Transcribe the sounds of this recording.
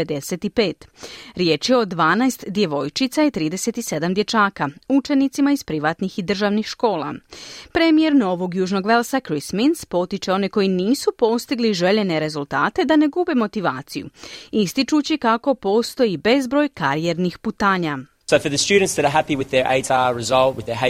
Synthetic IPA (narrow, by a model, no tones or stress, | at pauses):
ed̪ese̞t̪ipeːt̪ɾje̞ːt͡ʃijeod̪ʋaːnajst̪d̪je̞ʋo̞jt͡ʃit̪sajet̪ɾiːd̪e̞se̞t̪ise̞d̪amd̪jet͡ʃaːkaut͡ʃe̞nit̪simaizpɾiʋat̪nixid̪r̩ʒaʋnixʃko̞ːlˠa̰pɾemije̞ɾno̞ʋo̞ɡjuːʒno̞ɡʋe̞lˠsakɾisminspo̞t̪it͡ʃe̞o̞neko̞jiniːsupo̞st̪iɡliʒe̞ʎe̞ne̞ɾe̞zulˠt̪aːt̪e̞d̪ane̞ɡube̞mo̞t̪iʋaːt̪sijṵist̪it͡ʃut͡ɕikako̞po̞ːst̪o̞ibe̞zbɾo̞ːjkaɾije̞ɾnixput̪aːɲa | soʊfəðəst͡ʃʉːdⁿn̩tsðɨəɾəɦæpiwɪðəʔḛɪtzaɹɪzɔlˠt̚wɪðəɦ